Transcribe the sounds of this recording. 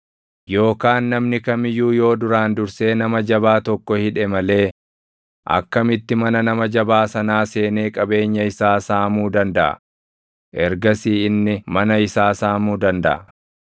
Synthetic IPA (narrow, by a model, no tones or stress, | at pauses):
jo̞ːkaːnːɐmnɪkɐmɪjuːjo̞ːd̪ʊɾaːnd̪ʊɾse̞ːnɐmɐd͡ʒɐbaːt̪ɔkːɔhɪᶑɛmɐle̞ː | ʔɐ̰kːɐmɪt̪ːɪmɐnɐnɐmɐd͡ʒɐbaːsɐnaːse̞ːne̞ːkʼɐbe̞ːɲːɐɪsaːsaːmuːd̪ɐnd̪ɐʔɐ̰ | ʔɛɾɡɐsiːɪnːɪmɐnɐɪsaːsaːmuːd̪ɐnd̪ɐ̰ʔɐ